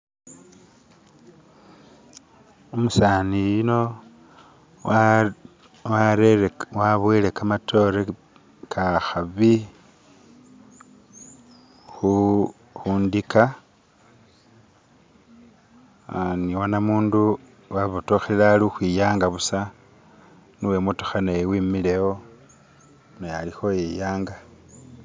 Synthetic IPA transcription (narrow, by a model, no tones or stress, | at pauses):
omusaːnijino̞ | waɾewaβwelekamatʰo̞ɾe | kʰaxaβi | xu | xuːndika | niwonamuːndu | waβutoxelaluxwijaːŋɡaβusa | nuwemuto̥xanewimilewo̞ | nojalixo̞jijaːŋɡa